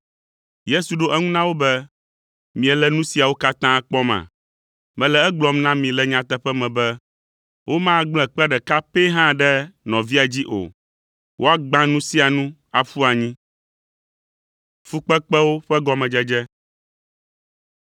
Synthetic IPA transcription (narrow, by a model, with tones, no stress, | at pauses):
je˦su˨ɖo˦ʔɛ˦ŋũ˦nã˦wo˦bɛ˦ | mĩ˨ɛ˨lɛ˦nũ˦si˨a˨wo˦ka˦t̪ã˦k͡pɔ˦mã̰˨ | mɛ̃˨lɛ˨ɛ˦ɡ͡blɔ˨mnã˦mĩ˨lɛ˨ɲã˨t̪ɛ˦ɸɛ˦mɛ̃˨bɛ˦ | wo˦mã˦ɡ͡bl̃ɛ̃˨k͡pɛ˦ɖɛ˨ka˦pe˦ɦã˦ɖɛ˦nɔ̃˨vi˦a˨d͡ʑi˦ʔo̰˨ | wʔo˦a˦ɡ͡bã˦nũ˦si˦a˨nũ˦a˨ɸu˦a˨ɲĩ˦ | fu˦k͡pɛ˦k͡pɛ˦wo˦ɸɛ˦ɡɔ˦mɛ̃˨d͡ʒɛ˦d͡ʒɛ˦